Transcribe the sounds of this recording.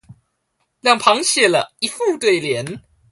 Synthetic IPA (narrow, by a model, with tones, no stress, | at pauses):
ljɑ˥˩ŋpʰɑ˧˥ŋɕjɛ˥˩lə˨˩i˧˩fu˥˧t̪we˥˩ɪljɛ˧˥n